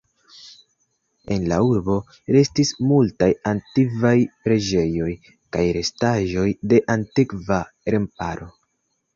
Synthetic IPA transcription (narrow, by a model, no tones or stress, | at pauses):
e̞nlauɾbo̞ | ɾe̞stismultajantivajpɾe̞d͡ʒe̞jo̞j | kajɾe̞staʒo̞jde̞ʔantikva | ɾe̞mpaɾo̞